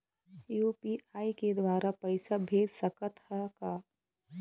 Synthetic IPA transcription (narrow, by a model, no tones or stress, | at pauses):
juːpiaːiked̪waːɾapɐɪsabʱeːd̪sɐkət̪hakaː